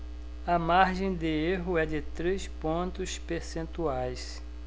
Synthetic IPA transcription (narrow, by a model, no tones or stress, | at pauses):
ɐmaɾʒẽj̃d̪ɪeɦʊɛd͡ʒɪt̪ɾespõnt̪ʊspeɾsẽnt̪uajs